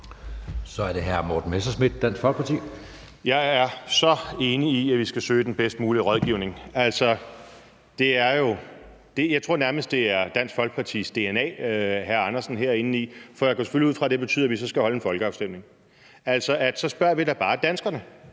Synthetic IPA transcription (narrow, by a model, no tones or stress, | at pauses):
sɒ̽æɐɾ̥e̝ɦæɐmoːd̥n̩mesɐsmid̥̚ːæn̰sɡ̥fɒlɡ̥̚pʰɑt͡sʰḭː | jɑ̈ɪæɐsɒ̽e̝ːniːæʋisɡ̥æsøːɪd̥enb̥esd̥muːliʁɒð̞ˠɡ̥iʊne̝ŋæl̰sɒ̽ | d̥e̝æɐjo̝ | d̥e̝jɑ̈ɪt͡sʰʁo̝ɐ̰næɐməsd̥e̝æɐd̥æn̰sɡ̥fɒ̽l̰ɡ̥̚pʰɑ̈t͡sʰḭːsd̥e̝enɛ̰ːɦæɐɑnɐsn̩ɦeɐ̰e̝nn̩ifɒjɑ̈kʰɒ̰ːse̥føliuð̰ˠfʁɑ̈d̥e̝b̥e̝t͡sʰy̰ð̰ˠɐʋisɒ̽sɡ̥æhɒ̽ləenfɒ̽lɡ̥əɑ̈ʊsd̥em̰ne̝ŋ | æl̰sɒ̽ʔæd̥sɒ̽sb̥ɶɐ̰ʋid̥ɑ̈b̥ɑ̈ːd̥ænsɡ̥ɐnə